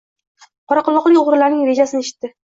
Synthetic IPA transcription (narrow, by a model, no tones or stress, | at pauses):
qʰɒɾɑqʊlˠɒqlˠɪjʲoʁɾʊlaɾnɪŋɾe̞d͡ʒasɪnɪe̞ʃɪ̥t̪ːɪ